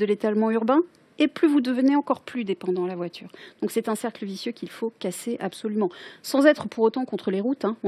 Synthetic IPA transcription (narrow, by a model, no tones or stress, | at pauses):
əlet̪almɑ̃yʁbɛ̃ | eplyvud̪əvəneɑ̃kɔʁplyd̪epɑ̃d̪ɑ̃lavwat̪yːʁdd̪̥ɔ̃ksɛt̪ɛ̃sɛʁkləvisjøkʲilfokaseʔabsɔlymɑ̃sɑ̃zɛt̪χəpuʁot̪ɑ̃kɔ̃t̪χəleʁut̪ɛ̃ɔ̃